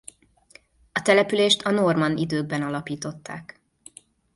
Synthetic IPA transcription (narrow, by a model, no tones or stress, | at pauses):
ɒt̪ɛlɛpyleːʃt̪ɒno̞rmɒnid̪øːɡ̚bɛnɒlɒpiːt̪o̞t̪ːa̰ːk